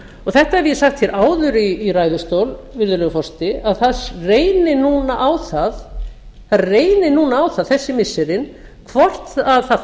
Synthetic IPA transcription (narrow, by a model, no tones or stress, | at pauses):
ɔɣθɛht̪aɛvjɛsaxt̪çɛɾʔaːwðʏɾiːraːjðʏst̪oːwlvɪɾðʏlœɣfɔst̪ɪaðθareːjnɪnuːnaʔawθað | θaðreːjnɪnuːnaːwθaðθɛsːɪmɪsːɪɾɪn | kʰvɔr̥t̪aðθað